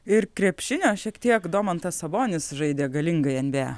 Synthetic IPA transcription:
ɪɾkɾʲɛpʲʃʲɪnʲoːʃʲiɛkt̪ʲiɛkd̪oːmɐnt̪ɐsɐboːnʲɪsʒɐɪd̪ʲeːɡɐlʲɪŋɡɐɪɐnʲbʲæː

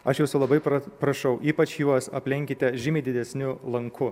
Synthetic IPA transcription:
ɐʃjɛʊsʲʊlˠɐbɐɪpɐpɾɐʃɐʊʔiːpɐt͡ʃjuɔsɐpʲlʲɛŋʲkʲɪt̪ʲɛʒʲɪmʲiɪd̪ʲɪd̪ʲɛsʲnʲʊlˠɐŋkʰʊ

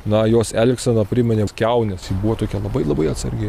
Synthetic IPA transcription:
nɐjoːsɛːlʲɪksɐnɐpʲɾʲɪmʲɛnʲeːskʲɛʊnʲɛsibuːʋɔt̪oːkʲɛlˠɐbɐɪlˠɐbɐɪɐt̪sɐɾʲɡʲɪ

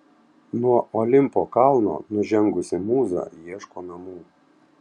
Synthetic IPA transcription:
nuɔʔɔlʲɪmpoːkɑlˠno̰ːnʊʒʲɛŋɡʊsʲɪmuːzɑ̰ːjiɛʃkoːnɐmuː

